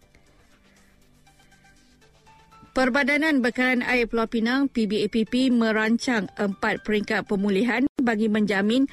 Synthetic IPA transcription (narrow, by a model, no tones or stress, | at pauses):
pərbadanãnbəkaɾana̰iplapinãŋpibipipimə̃ɾaɲt͡ʃaŋəmpat̪̚pəɾiŋkat̪̚pəmũliɦanbaɡimə̃ɲd͡ʒamĩn